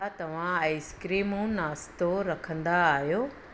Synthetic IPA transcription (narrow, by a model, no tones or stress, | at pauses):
at̪ɐʋ̤ãaɪskɾiːmũnaːst̪oɾɐkʰə̃nd̪aːɦjoː